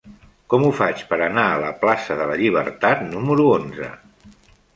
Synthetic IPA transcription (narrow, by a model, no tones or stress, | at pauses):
kɔmufat͡ʃpəɾənaələplasəðələʎiβ̞əɾt̪at̪numəɾuonzə̰